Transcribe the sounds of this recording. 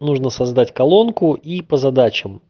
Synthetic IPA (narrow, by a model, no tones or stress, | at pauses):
nuʐnəsɐzd̪atʲkɐlˠo̞nkʊipəzɐd̪at͡ɕɪm